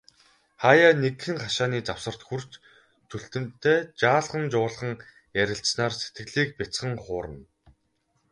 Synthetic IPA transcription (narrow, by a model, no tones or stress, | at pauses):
χaːjaːnekxɘ̆ŋχaʃaːniːt͡saw̥sə̆r̥t̪xur̥t͡ɕ | t̪ʰuɬt̪ɘ̆m̥t̪ʰeːt͡ɕaːɮʁə̆nt͡ɕʊːɮχə̆ŋ | jæɾʲɪ̆ɬsnaːrse̥t̪̚ɡɘ̆ɮiːk̚pʲat͡sχə̆ŋχʊːɾə̆n